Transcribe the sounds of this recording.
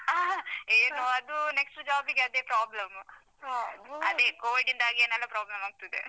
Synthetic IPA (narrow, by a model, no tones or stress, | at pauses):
eːnoɐd̪uneksʈd͡ʒaːbiɡeɐd̪eːpɾaːblɐm | ɐd̪eːkoːʋiɖind̪aːɡeːnɐlːɐpɾaːblɐmaːɡut̪ud̪ḛ